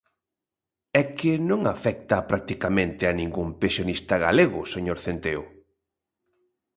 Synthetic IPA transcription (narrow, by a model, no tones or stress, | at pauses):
ɛkɪnõŋafɛk̚t̪apɾak̚t̪ikamẽnt̪ɪanĩŋɡumpẽnsjonist̪aɣaleɣʊseɲoɾθent̪eo̰